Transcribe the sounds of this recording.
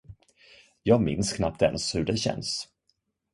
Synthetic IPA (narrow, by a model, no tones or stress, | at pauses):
jɑːɡmɪnskʰnap̚t̪ɛ̰nshɵɖɛɕɛ̰ns